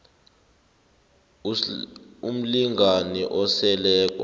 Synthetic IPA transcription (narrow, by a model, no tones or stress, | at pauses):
um̩liŋɡʱaniʔɔsɛlɛːk̬ʼɔ̰